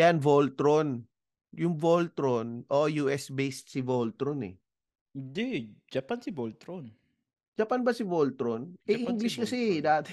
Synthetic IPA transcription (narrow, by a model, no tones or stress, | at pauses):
anvolt̪ɾon | jʊŋvolt̪ɾonʔoʔjuːʔɛsbejst̪̚sɪbolt̪ɾonɛ̰ | d̪ɛd͡ʒɐpansɪbolt̪ɾon | d͡ʒɐpanbɐsɪbolt̪ɾonʔɛʔiŋɡlɪskɐsid̪aːt̪ɛ